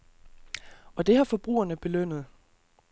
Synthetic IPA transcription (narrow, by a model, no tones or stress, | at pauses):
ɒ̽d̥e̝ɦɑ̈fɒ̽b̥ʁṵːɐnəb̥e̝løn̰ð̞̩ˠ